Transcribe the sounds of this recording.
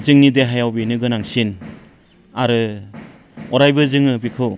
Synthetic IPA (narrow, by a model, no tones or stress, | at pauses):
zɯŋnideɦajawbinɯɡɯnaŋsin | aɾɯ | ɔɾajbɯzɯŋɯbikʰɯw